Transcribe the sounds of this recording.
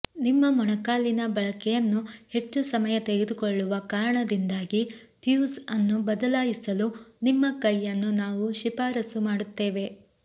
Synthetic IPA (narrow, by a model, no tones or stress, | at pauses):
nimːɐmɔɳɐkaːlinɐbɐɭɐkɛjɐnːuhe̞t͡ʃːusɐmɐjɐt̪eɡed̪ukoɭːuʋɐkaːɾɐɳɐd̪ind̪aːɡi | pjuːsɐnːubɐd̪ɐlaːjisɐlunimːɐkɐjːɐnːunaːʋuʃipaːɾɐsumaːɽut̪ːe̞ːʋe̞